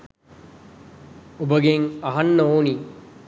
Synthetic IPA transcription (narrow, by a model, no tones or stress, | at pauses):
ubəɡeŋɐɦɐnːəoːni